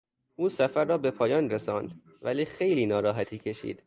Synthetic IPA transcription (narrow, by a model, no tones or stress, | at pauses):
ʔuːsæfæɾːɒːbe̞pʰɒːjɒːnɾesɒːnd̪ | væliːxejliːnɒːɾɒːɦæt̪ʰiːcʰe̞ʃḭːd̪̥